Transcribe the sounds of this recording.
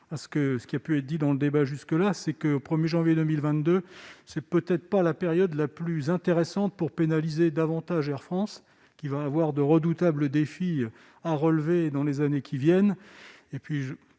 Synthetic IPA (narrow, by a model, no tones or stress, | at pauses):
asə̥kəsə̥kʲiapyɛt̪d̪id̪ɑ̃ləd̪ebaʒyskəlasɛkəopχəmjeʒɑ̃vjed̪əmilvɛ̃t̪d̪øsɛpøt̪ɛt̪χpalapeʁjɔd̪laplyzɛ̃t̪eʁesɑ̃t̪̚puʁpenalized̪avɑ̃t̪aʒɛʁfχɑ̃s | kʲivaːvwaʁd̪əʁəd̪ut̪abləd̪efi | aʁəlved̪ɑ̃lezanekʲʰivjɛn | epɥiʒ